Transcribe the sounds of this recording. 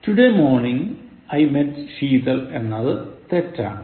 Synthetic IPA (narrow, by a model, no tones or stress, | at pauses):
tuɖemo̞ːrniŋ | ɐjmetɕiːt̪ɐle̞nːɐðɨt̪etːa̰ːɳɨ